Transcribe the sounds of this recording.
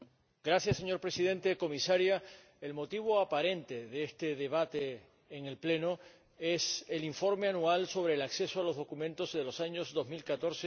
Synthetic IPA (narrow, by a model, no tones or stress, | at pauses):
ɡɾaθjasːe̞ɲo̞ɾpɾe̞sið̞ẽ̞nt̪e̞ko̞misaɾja | e̞lmo̞t̪iβ̞oapaɾe̞nt̪e̞ðeest̪e̞ðe̞β̞at̪e̞ː | ŋe̞lple̞no | e̞se̞liɱfo̞ɾme̞anualso̞β̞ɾe̞ːlakθe̞soalo̞zðo̞kumẽnt̪o̞zðe̞lo̞saɲo̞zðozmilkat̪o̞ɾse